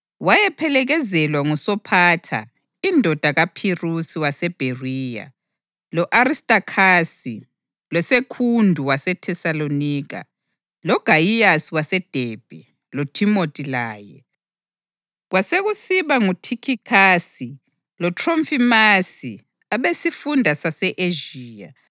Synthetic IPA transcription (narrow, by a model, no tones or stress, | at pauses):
wajɛpʰɛlɛɣɛzɛlwaŋusɔpʰatʰa̰ | indʱɔd̥ʱaɣapʰirusiwasɛb̥ʱeriːja̰ | lɔʔaɾistʼakʰasi | lwɛsekʰundʱuwasɛtʰɛsaloniːɣa̰ | lɔɡ̥ʱajijasiwasɛd̥ʱeːb̥ʱɛ | lɔtʰimotʼilaːjɛ̰ | ɣwaseɣusiβaŋutʰikʰikʰasi | lɔtʰromfimasi | aβesifundʱasasɛʔeʒiːja̰